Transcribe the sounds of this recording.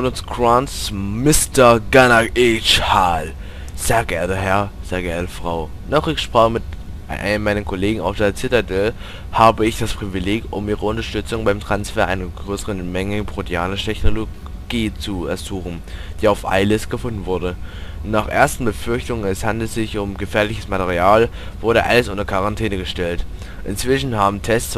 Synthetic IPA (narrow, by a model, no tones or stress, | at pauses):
onʊskʁ̥ansmɪstɐɡanaʔɛt͡ʃhaːl | z̥eːɐɡɛɐtəɦɛɐz̥eːɐɡɛɐtəfʁ̥aʊ | nɔχɪçʃpʁ̥aːχəmɪt | a̰nəmmaɪnənkʰoleːɡŋ̩aʊfd̥eːɐt͡sɪtɐdɛl | haːbəɪçd̥aspʁ̥ivileːkʔʊ̰mʔiːʁəʊntɐʃtʏt͡sʊŋbaɪmtʁ̥ansfeːɐʔa̰ɪnɐɡʁøːsəʁənmɛŋəpʁ̥otʰeaːnɪtʰɛçnolo | ɡ̥iːt͡suɛ̰ɐzuːxn̩d̥iːaʊfʔa̰ɪləstɡ̥əfʊndn̩vʊɐɾə | naːχʔḛːɐstn̩bəfʏɐçtʊŋənɛshandl̩z̥ɪçʊmɡəfɛːɐlɪçəsmatɛʁiaːl | vʊɐɾəʔa̰ləsʔʊntɐkʰaʁantʰɛːnəɡəʃtɛlt | ʔɪ̰nt͡sv̥ɪʃn̩haːbm̩tʰɛst͡s